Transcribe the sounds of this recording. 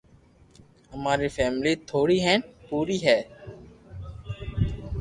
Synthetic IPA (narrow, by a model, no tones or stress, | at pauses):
əmaːɾiːfʰɛːmliːt̪ʰoːɽiːɦɛ̃ːnpuːɾiːɦɛː